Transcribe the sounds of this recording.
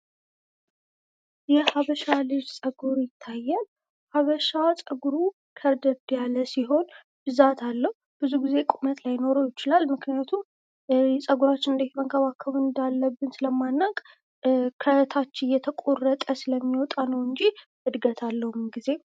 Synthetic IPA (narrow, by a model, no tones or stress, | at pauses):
jɛhaβəʃalɨd͡ʒsʼəɡuɾjɪt̪ʰːajːal | haβəʃasʼəɡuɾu | kʰəɾd̪əd̪jaləsiɦo̞n | b̥ɨzat̪ʰalːəhub̥ɨzuɡize̞kʼumət̪lajːno̞ɾojɪt͡ʃɪlalmɨknijat̪ʰum | ɛsʼəɡuɾat͡ʃːɪnɨnd̪əhiməŋkʰəβakʰːəβɨnd̪alːəbːɨnsɨləmːanːakʼ | kʰət̪ʰat͡ʃːɪjɛt̪ʰəkʼorət̪ʼəsɨləmːiwɔt̪ʼanəwɨnd͡ʒi | ɨd̪ɡət̪ʰalːəhumnɡize̞